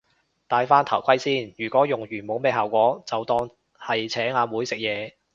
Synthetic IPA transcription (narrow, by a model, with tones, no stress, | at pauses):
t̪aː˨˧jfaː˥nt̪ʰɐ˨˩wkʰɐ˥jsiː˥njyː˨˩kʷɔː˨˥jʊ˨˩ŋjyː˨˩nmo˨˥wme˨˧jɦaː˨wkʷɔː˨˥t͡sɐ˨wt̪ɔː˧ŋ | hɐ˨jt͡sʰɛː˨˥ŋaː˨˧muː˨˥jsɪ˨k̚jɛː˨˧